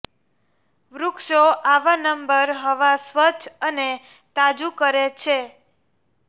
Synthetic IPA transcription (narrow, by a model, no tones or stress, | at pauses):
ʋɾukʃoʔaʋanəmbəɾɦəʋasʋət͡ʃʰəne | t̪ad͡ʒukəɾet͡ʃʰe